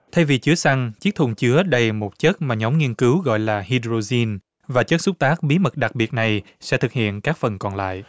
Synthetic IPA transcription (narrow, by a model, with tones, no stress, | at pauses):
t̪ʰa˧jvi˨˩t͡ɕɨ˨˦əsa˧ŋt͡ɕi˦˥k̚t̪ʰʊ˧˩ŋ͡mt͡ɕɨ˨˦əɗə˧jmo˨˩t̚t͡ɕə˦˥t̚maː˨˩ɲɔ˨˦wŋ͡mŋi˧ənkɨ˨˦wɣɔ̰˧˨jlaː˨˩hi˧dɾo˧zi˧n | vaː˨˩t͡ɕə˦˥t̚sʊ˦˥k͡p̚t̪aː˦˥k̚ɓi˨˦mə˨˩t̚ɗa˨˩k̚ɓi˨˩ət̚na˨˩j | sɛ̰˧˥t̪ʰɨ˨˩k̚hḭ˧˨ənkaː˦˥k̚fə˨˩nkɔ˨˩nla̰ː˧˨jʔ